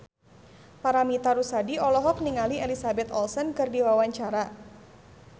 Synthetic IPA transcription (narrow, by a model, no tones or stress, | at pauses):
paɾamit̪aɾusadiɔlɔɦɔk̚niŋalielisabɛt̪ɔlsənkɨrdiwawaɲt͡ʃaɾa